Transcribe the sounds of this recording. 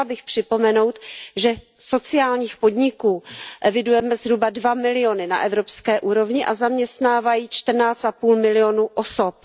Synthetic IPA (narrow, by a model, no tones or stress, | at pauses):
abɪxpr̝̥ɪpo̞mɛno̞wt̪ʒɛ | so̞t͡sɪaːlɲiːxpo̞dɲɪkuːʔɛvɪdujɛmɛzɦɾubadvamɪlɪo̞nɪna̰ʔɛvɾo̞pskɛːʔuːɾo̞vɲɪʔazamɲɛst̪naːvajiːt͡ʃt̪r̩naːt͡st̪apuːlmɪlɪonuʔoso̞p